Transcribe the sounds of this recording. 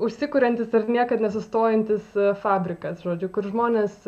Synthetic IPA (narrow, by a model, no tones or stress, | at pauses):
ʊʃʲsʲɪkʊɾʲɛnʲt̪ʲɪsɐrnʲiɛkɐt̪nʲɛs̬ʊst̪oːjɛnʲt̪ʲɪsfɑːbʲɾʲɪkɐsʒoːd͡ʒʲʊkʊɾʒmoːnʲeːs